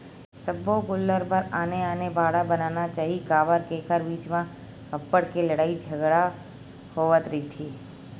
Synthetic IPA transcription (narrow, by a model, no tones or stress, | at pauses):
sɐboɡʊlːəɾpəɾaːneaːnebaːɽabɐnaːnat͡ʃaːɦikaːbəɾkekʰəɾbiːt͡ʃmã | ɐpːəɽkeləɽaːid͡ʒʱɐɡɾa | hoːʋət̪ɾəit̪ʰiː